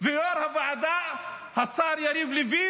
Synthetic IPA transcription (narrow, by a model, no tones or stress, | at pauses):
vɪjoɾhavaʕad̪aʔ | hasˤɑːɾjaɾivlɪviː